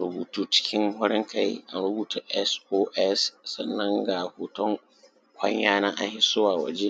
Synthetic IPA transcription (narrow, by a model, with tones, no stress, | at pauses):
ɾʊ˨buː˨tʰu˦˨t͡ʃɪ̥˦kʲʰɪ̃˦ŋhɔ˦ɾɪ̃˦ŋkʰa˦ja̰˨nɾʊ˦buː˦tʰo˦ʔɛ˦soː˦ʔɛ˦ssɐ˨nːɐ̃˦ŋɡa˨hoː˨tʰɔ̃˦ŋ | kʰʷɐ˦ɲjaː˦nã˦ʔa̰˨hɪ˦sʊ˦waː˨wɔ̰˨d͡ʒe˦